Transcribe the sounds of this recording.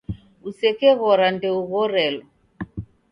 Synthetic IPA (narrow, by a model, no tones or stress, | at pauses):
usɛkɛɣɔɾandɛuɣɔɾɛlɔ